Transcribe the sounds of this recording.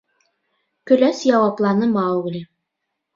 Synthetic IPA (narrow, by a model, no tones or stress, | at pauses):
kɵ̆læsjɑwɑplˠɑnɤmɑwɡɘ̆lʲɘ